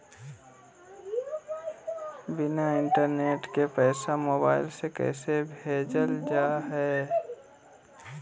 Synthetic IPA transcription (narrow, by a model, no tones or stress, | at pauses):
bɪnaɪ̃ɳʈəɾneːʈkepɛːsamoːbaːɪlsekɛ̰ːsebʱeːd͡ʒəld͡ʒaːɦɛː